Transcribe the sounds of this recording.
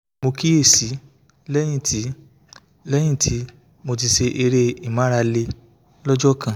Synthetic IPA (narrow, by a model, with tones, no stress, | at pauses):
mo˧ki˦e˦˨si˨˦ | lɛ˦j̃ĩ˦˨tʰi˨˦ | lɛ˦j̃ĩ˦˨tʰi˨˦ | mo˧t̬i˧se˧ʔe˧ɾe˧i˦˨mã˨˦ɾa˧le˧ | lɔ˦d͡ʒɔ˦kã˦˨